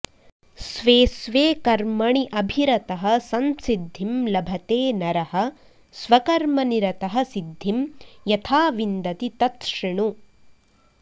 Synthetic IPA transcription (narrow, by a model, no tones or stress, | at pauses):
sʋeːsʋeːkɐɾmɐɳiʔɐbʱiɾɐt̪ɐɦɐ̆sɐnsid̪ʱːimlɐbʱɐt̪eːnɐɾɐɦɐ̆ | sʋɐkɐɾmɐniɾɐt̪ɐɦɐ̆sid̪ʱːimjɐt̪ʰaːʋind̪ɐt̪it̪ɐt̪ʂiɳu